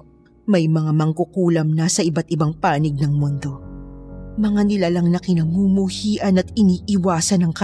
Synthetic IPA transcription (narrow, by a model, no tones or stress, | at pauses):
mɐjmɐŋamɐŋkʊkuːlɐmnɐsɐʔɪbat̪ɪbaŋpaːnɪɡ̚nɐŋmʊnd̪o̞ | mɐŋanɪlalɐŋnɐkɪnɐmumuhiːʔɐnɐt̪ɪniːʔɪwaːsɐnɐŋkɐ